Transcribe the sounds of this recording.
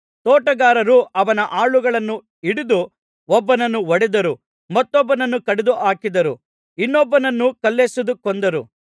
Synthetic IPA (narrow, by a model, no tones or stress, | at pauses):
t̪ɔːʈɐɡaːɾɐɾuɐʋɐnɐʔaːɭuɡɐɭɐnːu | iɽid̪u | ɔbːɐnɐnːuʋɐɽɛd̪ɐɾu | mɐt̪ːɔbːɐnɐnːukɐɽɛd̪uʔaːkid̪ɐɾu | inːɔbːɐnɐnːukɐlːesud̪ukɔnd̪ɐɾṵ